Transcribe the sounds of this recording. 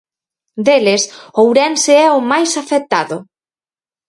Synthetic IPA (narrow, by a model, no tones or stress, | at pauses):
d̪elɪsowɾɛnseɛʊmajsafek̚t̪aðʊ